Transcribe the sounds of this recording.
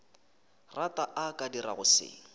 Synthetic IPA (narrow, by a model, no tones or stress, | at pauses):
ratʼaʔakʼadiraɣʊsɪ̰ː